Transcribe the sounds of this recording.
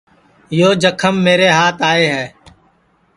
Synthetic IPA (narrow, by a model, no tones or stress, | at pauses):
joːd͡ʒəkʰəmːeːɾeːɦaːt̪aːeːɦɛː